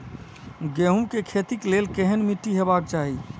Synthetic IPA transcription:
ɡeɦumkekʰet̪iklelkeɦənmiʈːiɦebak̚t͡ʃaɦi

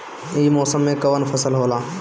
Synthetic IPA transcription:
iːmɔːsəmːẽkɐʋənfʰɐsəlɦoːlaː

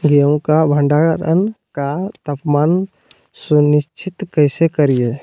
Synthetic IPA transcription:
ɡijəw̃kabʱə̃ɳɖaɾə̰n | kat̪ɐpmaːn | sunɪst͡ʃʰɪt̪kəɪsekəɾijeː

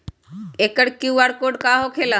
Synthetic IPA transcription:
ekəɽkiwʋaɽkoɽkaɦokʰela

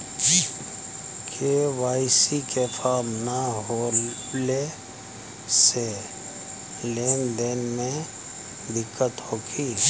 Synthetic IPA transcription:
kʰewaːɪsikepʰaːɾmnaɦole | se | leːnd̪eːnmẽ | d̪ɪkːət̪hoːkʰiː

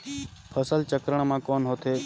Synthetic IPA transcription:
pʰəsəlt͡ʃəkɾəɳ̃mãːkoːnɦoːt̪ʰeː

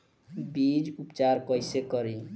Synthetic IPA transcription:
bid͡ʒupt͡ʃaɾkʌjsekʌɾi

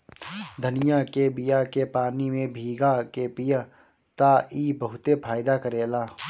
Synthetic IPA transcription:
d̪ʱənɪjakebɪjakepaːnimẽbʱiːɡakepɪjə | t̪aiːbɐɦʊt̪epʰaːjɪd̪akəɾeːlaː

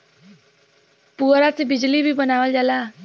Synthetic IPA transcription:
puɾat͡sebid͡ʒlibʱibənaʋəld͡ʒala

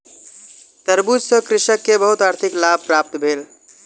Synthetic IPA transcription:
t̪əɾbud͡ʒsə̃kɾɪʃəkːebəɦut̪aːɾt̪ʰiklab̚pɾap̚t̪bʱeːl

